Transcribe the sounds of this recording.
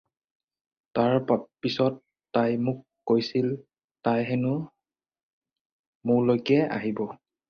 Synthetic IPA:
taɹpapisɔtː | ajmʊkːojsil | tajɦɛnʊ | mʊɹlojkɛa̰ɦibɔ

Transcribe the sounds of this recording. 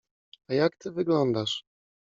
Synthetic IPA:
ajakt̪ɘvɘɡlɔnd̪aʂ

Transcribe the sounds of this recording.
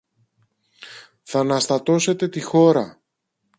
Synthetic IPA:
θɐnɐst̪ɐt̪o̞se̞t̪e̞t̪ixo̞ɾɐ

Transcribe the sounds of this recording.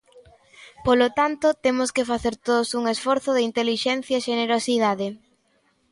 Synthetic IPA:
polot̪ant̪ot̪emʊskɪfaθeɾt̪oðosuŋesfɔɾθʊðɪint̪eliʃɛn̟θjaeʃeneɾosiðaðe

